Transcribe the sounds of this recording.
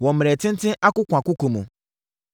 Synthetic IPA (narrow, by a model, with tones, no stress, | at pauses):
wɔ̃˨m˨ɾɛ˨tɪ̃˦n̩˦tɪ̃˦ʔa˦kʊ˦kʷã˨kʊ˦kʊ̃˨mṵ̃˨